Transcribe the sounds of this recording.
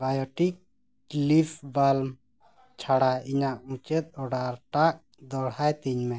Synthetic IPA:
bajɔʈik | lipʰbalm | t͡ʃʰaɽaiɲaʔũt͡ʃɛt̪̚ˀɔɖaɾʈaʔ̚ | d̪ɔɽ̤ajt̪iɲmɛ

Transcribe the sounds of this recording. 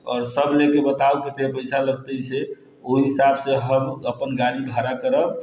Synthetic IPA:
ɔːɾsəblekebət̪auket̪epəjsaləɡt̪əjse | oɦiɦisabseɦəməpənɡaliɡʱəɾakəɾəb

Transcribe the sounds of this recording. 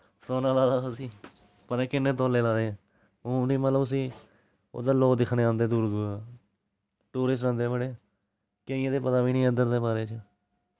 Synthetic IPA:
soːnaːlaːd̪aːosiː | pəɾɛ̃ːkɪnːeːt̪oːleːlaːd̪eːɛ̃ː | ũːmd̪iːmət̪ləbəs̬ĩː | o̰ːd̪aːloːd̪ɪkʰneːãːnd̪eːd̪uːɾd̪uːɾa | ʈuːɾɪs̬ʈɾãːnd̪eːbəɽeː | keiãːd̪eːpət̪aːʋiːnĩːənd̪əɾd̪eːbaːɾeːt͡ʃ

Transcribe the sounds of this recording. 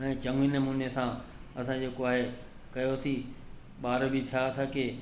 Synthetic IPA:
ɛ̃ːt͡ɕɐ̃ŋɡʋiːnəmũːnesãɐsãd͡ʑeːkoaːɦe | kɐjosi | ɓaːɾbɪt̪ʰijaɐsãːkeː

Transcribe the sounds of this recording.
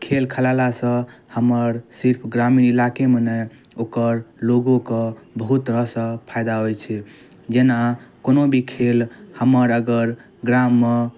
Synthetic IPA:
kʰelkʰəlalasə̃həməɾsiɾpʰɡɾaminilakemene | okəɾloɡokebəɦut̪ɾəɦsə̃pʰajd̪aɦojt͡ʃʰɛ | d͡ʒenakonobʱikʰelhəməɾəɡəɾ | ɡɾamːe

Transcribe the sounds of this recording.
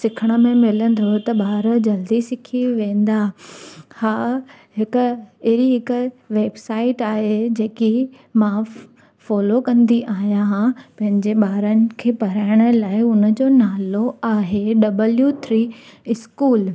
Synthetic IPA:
sɪkʰəɽ̃ə̆mẽmɪlə̃n̆d̪ʱot̪ɐɓaːɾə̆d͡ʑɐld̪isɪkʰiʋẽːn̆d̪aː | haː | ɦɪkʊ̆ɾiɦɪkʊʋeːbsaːɪʈaːɦed͡ʑeːki | mã | fɔːlokɐ̃nd̪iʔaːɦijãɦãpɐ̃ɦɪ̃ɲd͡ʑeɓaːɾənɪ̆kʰeːpɐɾaːɪɽ̃ə̆laːɪʊnə̆d͡ʑoːnaːloaːɦeɖɐbəljut̪ʰɾiːɪskuːl

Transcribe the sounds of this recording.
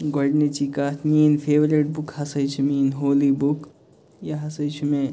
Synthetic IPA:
ɡɔɽnet͡ʃikat̪ninfʰeʋɾiʈ̚bukhɐsəjt͡ʃʰuminɦoːlibuk | jaɦɐsəjt͡ʃʰumẽ

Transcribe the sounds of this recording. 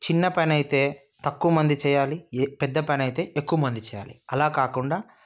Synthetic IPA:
t͡ʃinːɐpɐnɐjt̪e̞ː | t̪ɐkːuʋɐmɐnd̪it͡ʃɛːjaːlipɛd̪ːɐpɐnɐjt̪e̞ːʔekːuʋɐmɐnd̪it͡ʃɛːja̰ːliɐlaːkaːkuɳɖaː

